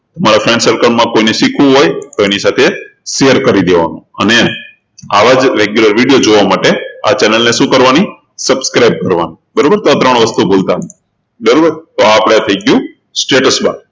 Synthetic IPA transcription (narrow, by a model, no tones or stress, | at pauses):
t̪əmaɾafensəɾkəɳmãkoineʃikʰũɦojt̪oenisat̪ʰeʃejəɾkəɾid̪eʋa̰nṵ̃əne | aʋad͡ʒɾeɡjuləɾʋiɽijod͡ʒoʋamaʈea̰t͡ʃɛnəlneʃũkəɾʋani | səbskɾajb̚kəɾʋani | bəɾobəɾt̪oat̪ɾəɳ̃ʋəst̪ubolt̪a | bəɾobəɾt̪oaːpɽ̃eat̪ʰəiɡjũ | sʈeʈəsbã̰